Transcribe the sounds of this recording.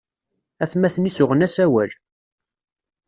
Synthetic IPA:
æθmæθənisʊʁənæsæwæl

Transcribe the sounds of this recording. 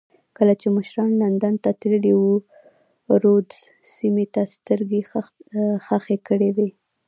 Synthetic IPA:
kəlat͡ʃeməʃɾɑnland̪ant̪at̪ɾəliwu | ɾod̪ | simet̪ast̪əɾɡe | xaxekəɽewe

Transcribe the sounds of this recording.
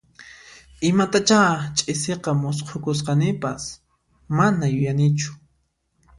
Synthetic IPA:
ɪmat̪at͡ʃat͡ʃʼɪseqɑmʊs̬qʰokʊs̬qɑnɪpas | manajʊjanɪt͡ʃʊ̥

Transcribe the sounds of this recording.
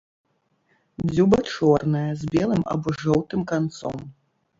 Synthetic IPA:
d͡zʲubɐt͡ʂɔrnɐjɐzʲbʲɛlˠɨmɐ̰bɔʐɔwt̪ɨmkant̪sɔ̰m

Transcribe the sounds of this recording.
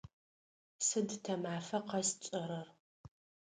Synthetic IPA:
sɨdtʰɐmaːfɐqɐst͡ʃʼɐɾɐr

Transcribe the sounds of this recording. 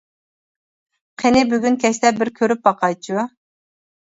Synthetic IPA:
qʰenɪbyɡʲynkʲʰɛʃlɛbɪɾkʲʰøɾyp̚bɑqʰɑjt͡ʃʰu

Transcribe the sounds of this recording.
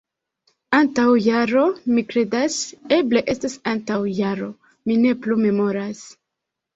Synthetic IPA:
antawjaɾo̞mikɾe̞dase̞ble̞ʔe̞stasantawjaɾo̞ | mine̞plume̞mo̞ɾas

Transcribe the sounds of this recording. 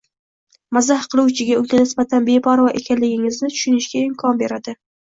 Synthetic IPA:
mazahqʰɨlˠuwt͡ʃʰɪɡʲaʊɡʲanɪsbat̪ʰanbe̞pʰɒɾɒʔe̞̰kʲʰanlɪɡʲɪŋɪznɪt̪ʰʊ̥ʃʊnɪʃɡʲaɪmkʰɒnbe̞ɾad̪ɪ

